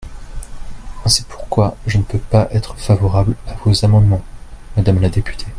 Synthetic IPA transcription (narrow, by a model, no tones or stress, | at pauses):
ɛ̃si̥pʰu̥ʁkwaʒənəpøpaʔɛt̪χəfavɔʁablavozamɑ̃d̪mɑ̃mad̪amlad̪epy̥t̪ʰe